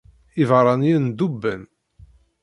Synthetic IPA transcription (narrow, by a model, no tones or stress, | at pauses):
ivɾˤɑnjind̪ubːən